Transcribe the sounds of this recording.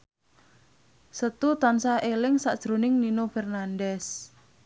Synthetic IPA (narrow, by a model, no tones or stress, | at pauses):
sət̪ut̪ansaʔelɪŋsa̰ʔd̥ʒ̥ɾonɪŋninofɛrnanɖɛs